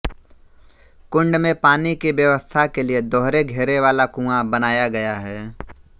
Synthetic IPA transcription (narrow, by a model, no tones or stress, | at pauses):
kʊ̃ɳɖmẽpaːnikiʋjəʋəst̪ʰakelied̪ɔːɾeɡʱeːɾeʋaːlakũːãbɐnaːjaɡɐjaɦɛː